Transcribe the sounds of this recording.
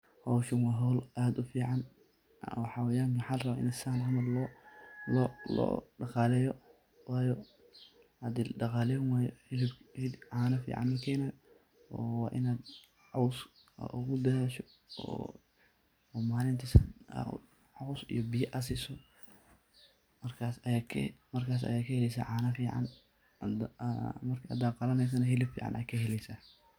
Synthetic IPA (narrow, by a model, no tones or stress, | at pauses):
hɔwʃɐnwɑːɦɔlʔaːd̪ʊfiːʕɑn | wħɑwɛjaːŋkwħɑːlrɐβaʔɪ̰nɛsaːnhɐmɐdlɔlɔ̰lɔ̰ːɖɑqɑːlɛːjɔ | wɑːjɔ | ad̪ɪlɖɑqɑːlɛnwaːjɔɪlɪbɪlʕaːnɐfḭːʕɑ̰nːɐkʰɛːnaːj | ɔːwɑːʔɪ̰naːd̪ | ʕɔws | ɐ̰ʔʊ̰ɣʊd̪ɐɾaːʃɔ | ɔ̰ | ɔmaːlɪnt̪ʰis | ʕɑwsḭjɔbɪjɐʔɐsiːsɔ | mɐrkʰasakʰmɐrkʰaːs̬ɐ̰jaːkʰɐhɛlɛjs̬a̰ːʕaːnɐfiːʕɑ̰n | mɐrkʰa̰d̪aːqɑlɐnɛjs̬ɐnɐɦɪlɪbfḭːʕɑ̰nʔɐ̰ːkʰɐhɛlɛjsaː